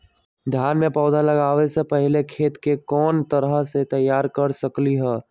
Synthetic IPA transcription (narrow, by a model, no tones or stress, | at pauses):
d̪ʱjaːnmẽpɔːd̪ʱaləɡaːʋesepəɦɪlekʰeːt̪kekɔːnt̪əɾəɦset̪əjːaːɾkəɾsəkliɦɛː